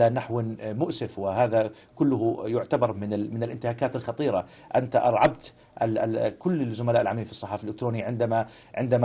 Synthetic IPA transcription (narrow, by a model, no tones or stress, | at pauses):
anaħwɪmʊʔsɪfwɪhaːða | kʊlːʊhʊjʊʕt̪abɑɾˤmɪnɪmɪnɪlʔɪnt̪ɪhaːkaːt̪ɪlxɑt̪ˤiːɾɑ | ʔant̪aʔɑ̰ɾˤʕɑbt̪ | ʔakʊlːɪzʊmalaːʔɪlʕamiːlfisˤːɑħɑːfilːɪkt̪ɾoːnjʕɪnd̪ama | ʕɪnd̪am